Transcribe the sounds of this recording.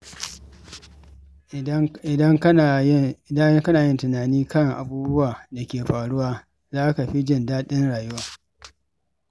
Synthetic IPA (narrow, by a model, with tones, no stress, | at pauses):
ɪ˨dɐ˦ŋ˦˨a˦jkɐ˦naː˨jɪ˦ntʊ˨naː˨niː˦kɐ˦ŋʔa̰˨buː˦bʊ˦waː˨da˨kʲeː˨ɸaː˨ɽʊ˦waː˨ | zaː˦ka˨ɸi˦d͡ʒɪ˦ndaː˦ɗɪ˦nɽaː˨jʊ˦waː˨